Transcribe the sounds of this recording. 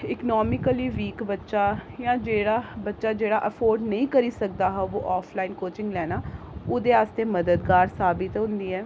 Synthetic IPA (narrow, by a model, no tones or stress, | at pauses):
ɪknɔːmɪkəliːʋiːkbətːʃaːjãːd͡ʒeːɽaːbətːʃaːd͡ʒeːɽaːʔəpʰoːɾɖnəĩːkəɾiːsək̚d̪aːɦɛʋoːʔaːpʰlaːiːnkoːt͡ʃɪ̃ŋɡlɛːnaː | ʊd̪eːaːst̪eːməd̪əd̪ɡaːɾsaːbɪt̪ɦʊ̃nd̪iːɛː